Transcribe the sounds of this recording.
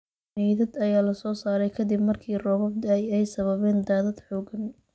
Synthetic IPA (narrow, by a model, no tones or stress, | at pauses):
nɛðɐd̪ɐjaːlɐsɔːsaːɾɛjkʰɐd̪ɪbmɐrkʰiːrɔːβɔb̚t̪ɛjɛjsɐβɐβɛːnd̪aːðɐd̪ħɔːɡɐn